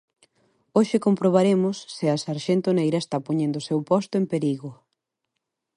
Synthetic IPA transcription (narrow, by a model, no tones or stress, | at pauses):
oʃɪkompɾoβ̞aɾemʊsːɪɐsaɾʃent̪onejɾɐest̪apoɲẽnd̪osewpɔst̪ʊempeɾiɣʊ